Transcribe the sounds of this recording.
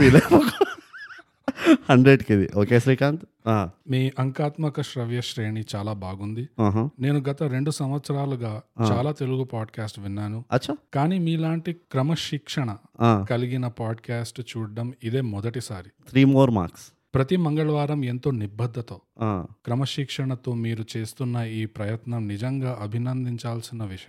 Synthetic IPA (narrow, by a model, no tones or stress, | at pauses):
iːlemɐk | hɐɳɖɾeɖkid̪ḭʔoːkeːsɾiːkaːnt̪ | aːmiːʔɐŋkaːt̪mɐkɐʃɾɐʋjɐʃɾeːɳit͡ʃaːlaːbaːɡund̪iaːɦne̞ːnuɡɐt̪ɐɾeɳɖusɐmʋɐt̪sɐɾaːluɡaːt͡ʃːaːlaːt̪eluɡupaːɖkaːsʈʋinːaːnuɐt͡ʃːakaːniːmiːlaːɳʈikɾɐmɐʃikʂɐɳɐaːkɐliɡinɐpaːɖkaːsʈt͡ʃuːɽɖɐmid̪e̞ːmɔd̪ɐʈisaːɾit̪ʰɾiːmoːɾma̰ːɾks | pɾɐt̪imɐŋɡɐɭɐʋaːɾɐme̞nt̪o̞ːnibɐd̪ʱːɐt̪o̞ːaːkɾɐmɐʃikʂɐɳɐt̪o̞ːmiːɾut͡ʃe̞ːst̪unːɐiːpɾɐjɐt̪nɐmnid͡ʒɐŋɡaːʔɐbʱinɐnd̪iɲt͡ʃaːlsinːɐʋiʂɐ